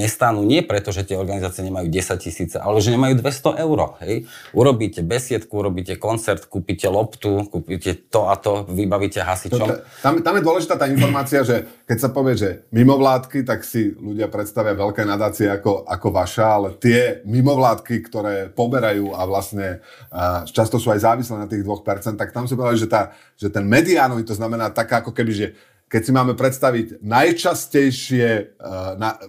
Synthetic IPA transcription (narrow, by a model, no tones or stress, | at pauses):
ɲɛst̪anuːɲɪɛpɾɛt̪ɔʒɛt̪ɪɛɔɾɡanizaːt͡siɪɛɲɛmajuːɟɛsac̚cisiːt͡sɛʔa̰lɛʒɛɲɛmajuːd̪ʋɛst̪ɔʔɛʊɾɔ̰ɦɛjʔuɾɔbiːcɛbɛsɪɛt̪kuuɾɔbiːcɛkɔnt͡sɛɾt̪kuːpiːcɛlɔpt̪ukuːpiːcɛt̪ɔat̪ɔʋibaʋiːcɛɦasit͡ʃɔmt̪amt̪amjɛd̪ʊɔlɛʒit̪aːt̪aːinfɔɾmaːt͡siaʒɛkɛcsapɔʋɪɛʒɛmimɔʋlaːt̪kit̪aksiluɟɪapɾɛt̪st̪aʋɪaʋɛlkɛːnad̪aːt͡siɛakɔʔa̰kɔʋaʃɛalɛt̪ɪɛmimɔʋlaːt̪kikt̪ɔɾɛːpɔbɛɾajuːaʋlasɲɛ | t͡ʃast̪ɔsuːajzaːʋislɛːnat̪iːɣd̪ʋɔxpɛɾt͡sɛnt̪ːak̚t̪amsipɔd̪aliʒɛt̪aː | ʒ̥ɛt̪ɛnmɛd̪iaːnɔʋit̪ɔznamɛnaːt̪akaːakɔkɛbiʒɛ | kɛcsimaːmɛpɾɛt̪st̪aʋiɟnajt͡ʃascɛjʃɪɛna